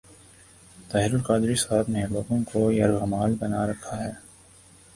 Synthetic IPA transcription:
t̪aɦɾʊlkaːd̪ɾisaːb̪neloːɡõkojɐɾɣɐmaːlbɐnaɾɐkʰːaɦɛː

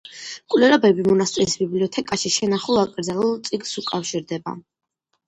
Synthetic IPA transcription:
kʼwlɛɾɔbɛbimɔnast̪ʼɛsbibliɔt̪ʰɛkʼaʃiʃɛnaχulˠakʼɾd̪zalˠulˠt̪sʼiɡsukʼafʃiɾd̪ɛba̰

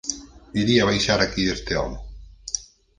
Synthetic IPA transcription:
iɾiaβajʃaɾakiðest̪eɔ̰mʊ

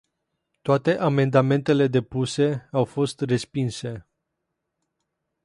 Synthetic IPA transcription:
t̪oat̪e̞ʔame̞nd̪ame̞nt̪e̞le̞d̪e̞puse̞awfo̞st̪re̞spinse̞

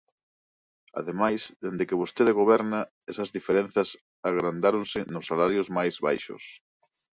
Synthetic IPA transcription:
a̰ðemajsðend̪ekɪβ̞ost̪eðeɣoβɛɾnɐ | ɛsɐzðifeɾẽn̟θɐs | aɣɾand̪aɾonsɪnʊsːalaɾjʊzmajzβa̰jʃʊ̰s

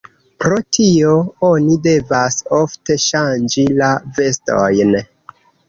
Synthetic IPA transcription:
pɾo̞tʰio̞o̞nide̞vaso̞fte̞ʃand͡ʒilave̞sto̰jn

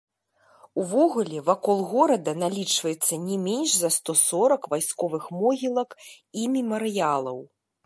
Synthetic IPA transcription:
uvɔɣulʲɛvakɔlˠɣɔɾɐd̪ɐnalʲit͡ʂvɐjɛt̪sːɐnʲɛmʲenʲʂzɐst̪ɔsɔɾɐkvajskɔvɨxmɔɣʲilˠɐk | imʲimɐɾɨjalˠɐw

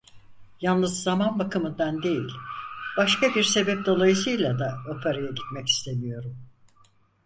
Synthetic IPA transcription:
jalˠnɯzzamanbakɯmɯnd̪and̪e̞jilʲb̥aʃkabiɾse̞bɛp̚d̪o̞lˠajɯsɯjlʲˠad̪aopʰaɾajaɟit̪mɛci̥st̪ʰe̞mijo̞ɾum

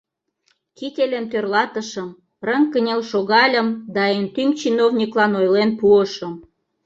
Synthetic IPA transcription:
kit̪ʲelʲemt̪ørlɑt̪əʃəm | rəŋkənʲelʃoɣɑlʲəmd̪ɑent̪yŋt͡ɕinovnʲiklɑnojlenpuəʃəm

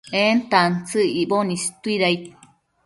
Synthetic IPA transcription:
ent̪ant͡sɨibonist̪uiɾajt̪̚

